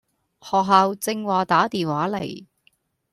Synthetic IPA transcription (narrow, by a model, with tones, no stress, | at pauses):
hɔː˨k̚ɦaː˨˧wt͡sɪ˧ŋwaː˨t̪aː˨˥t̪iː˨nwaː˨˥lḛ˨˩j